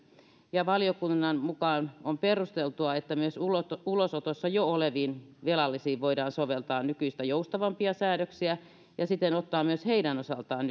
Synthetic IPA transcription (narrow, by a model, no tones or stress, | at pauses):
jɑʋɑlijokunːɑnmukɑːnomperust̪elt̪uɑet̪ːæmyøsulot̪ulosot̪osːɑjooleʋiːnʋelɑlːisiːʋʋoidɑːnsoʋelt̪ɑːnnykyist̪æjoust̪ɑʋɑmpiɑsæːɾøksiæ | jɑsit̪enot̪ːɑːmyøsheidænosɑlt̪ɑːn